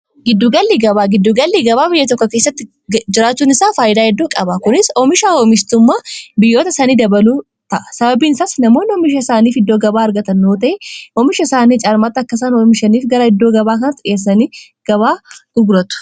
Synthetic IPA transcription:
ɡɪd̪ːuɡɐlːiːɡɐβaːɡɪd̪ːuɡɐlːiːɡɐbaːbɪjːɐt̪̬ɔkːɔke̞ːsːɐt̪ːɪ | d͡ʒɪɾaːt͡ʃːuːnɪsaːfaːjɪd̪aːhɛd̪ːoːkʼɐbɐkʊnɪsɔmɪʃaːoːmɪst̪ʊmːaːbɪjːoːt̪ɐsɐniːd̪ɐbɐluː | t̪ɐʔɐsɐbɐbiːɪnsaːsnɐmo̞ːnːɪɔmɪʃɐɪsaːniːfɪd̪ːo̞ːɡɐbaːɐɾɡɐt̪ɐnːoːt̪ɐʔeɔmɪʃɐsaːniːt͡ʃʼaːɾmat̪ːɐkːɐsaːnoːmɪʃɐniːfɡɐɾɐhɪd̪ːo̞ːɡɐbaːkɐnɐt̪ːɪɪʔeːs̬ːɐniː | ɡ̥ɐβaːɡʊɡɾɐt̪ʊ̥

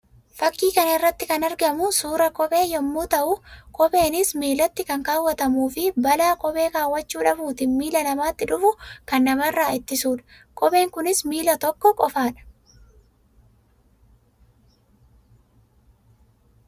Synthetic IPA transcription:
fɐkːiːkɐnɐɪrːɐt̪ːɪkɐnɐɾɡɐmʊsuːɾɐkʼɔɓe̞ːjɔmːuːt̪ɐʔʊkʼɔbe̞ːnɪsmiːlɐt̪ːɪkɐŋkaːwːɐt̪ɐmuːfɪbɐlaːkʼɔbe̞ːkaːwːɐt͡ʃːuːᶑɐfuːt̪ɪmiːlɐnɐmaːt̪ːɪᶑʊfʊkɐnːɐmɐrːaːɪt̪ːɪsuːᶑɐ̥ | kʼɔbe̞ːŋkʊnɪsmiːlɐt̪ɔkːɔkʼɔfaːᶑɐ̥

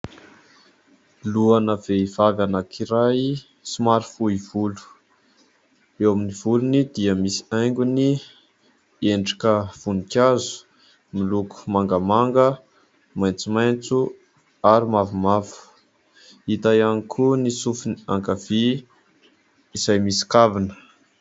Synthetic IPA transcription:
luanəveivavanakʰiɾaj | simaɾfuivulu̥ | ewaminivulunid̪iəmisi̥ajŋɡʲuni | eɳɖ͡ʐḁkəv̥unikʲazu̥ | miluku̥maŋɡəmaŋɡə | majnt͡sumajnt͡su | aɾimavumavu̥ | it̪ajanikʰunisufinia̰ŋkavi | isajmisi̥kavinə̥

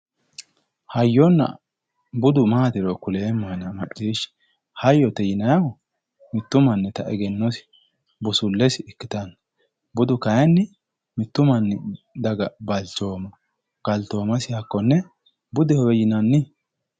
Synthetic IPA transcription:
hɐjːɔnːɐ̰ | bʊd̪ʊmaːd̪ɪɾɔkʊleːmːɐnɐmɐɗʼiːʃ | hɐjːɔt̪ɛjɪnɐjɐw | mɪt̪ːʊmɐnːɛt̪ɐʔɛɡɛnːɔsɪ̥ | bʊsʊlːɛsɪɪkːɪt̪ɐn | bʊd̪ʊkɐjɛnːɪ | mɪt̪ːʊmɐnːɪd̪ɐɡɐbɐlt͡ʃoːmɐ | ɡ̥ɐlt̪oːmɐsɪhɐkːɔnːɛ | bʊd̪ɪhɔwɛjɪnɐnːɪ

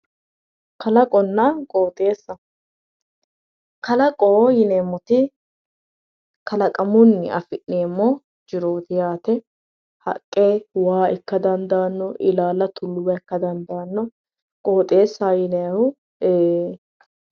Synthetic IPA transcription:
kɐlɐkʼɔnːɐkʼoːt̪ʼe̞ːsːɐ | kɐlɐkʼoːjɪneːmːɔt̪ɪ | kɐlɐkʼɐmʊnːɪ̰ɐ̰fɪʔneːmːɔ | d͡ʒɪɾo̞ːt̪ɪjaːt̪ɛ | hɐ̰kʼːeːwaːɛkːɐd̪ɐnd̪aːnːɔʔɪlaːlɐt̪ʰʊlːʊwɐɛkːɐd̪ɐnd̪aːnːɔ | kʼo̞ːt̪ʼe̞ːsːajɪnɛɐhʊ | eː

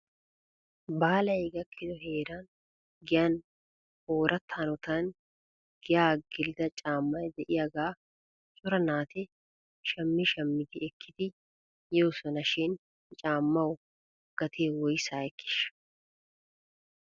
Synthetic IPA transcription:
baːlɐɛɡɐkʰːɪd̪ɔɦe̞ːɾan | ɡɪjɐn | oːɾʔɐt̪ʰːaːnɔt̪ɐn | ɡ̥ɪjaːɡɪld̪ɐt͡ʃʼaːmːɐjd̪ɛʔɪjaɡaː | t͡sʼʊɾɐnaːt̪ɪ | ʃɐmːɪʃɐmːɪd̪ɪɛkʰːɪd̪ɪ | joːsɔnɐʃɪn | t͡ʃʼaːmːɐwʊ | ɡ̥ɐt̪ʰeːwɔjsaːɛkːɪ̥ʃ

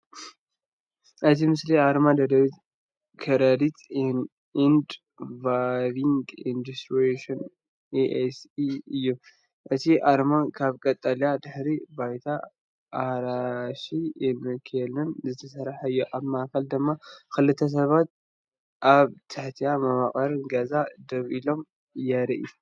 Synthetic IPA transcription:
ʔɨt̪ʰimɨsliaɾmad̪ɐd̪ɐβit̪ | kʰɐɾɐd̪it̪n | ind̪ | vaβiŋɡind̪ust̪ɾieʃon | eʔesiɨjːu | ʔɨt̪ʰiʔaɾmakʰaβkʼɐt̪ʼːalijad̪ɨħɾibajt̪ʰa̰ | ʔːɾaʃiɛmɨkʰelɨnzɨt̪ʰɐsɐɾħaɨjːuʔaβmaʔkʰɐld̪ɨmːakɨlɨt̪ʰːɐs̬ɐβat̪̚ | ʔaβt̪ʰɐħt̪ʰijamɐmaχʼɐɾɨnɡɐzad̪ɐβilo̞m | jɐɾʔi

